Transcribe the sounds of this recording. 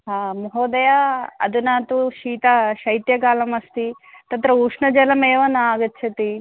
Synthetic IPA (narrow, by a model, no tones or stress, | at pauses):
ɦaːmɐɦoːd̪ɐjaɐ̰d̪unaːt̪uʃiːt̪ɐʃɐjt̪jɐkaːlɐmɐst̪i | t̪ɐt̪ɾɐuʂɳɐd͡ʒɐlɐmeːʋɐnːɐaːɡɐtːt͡ʃʰɐt̪i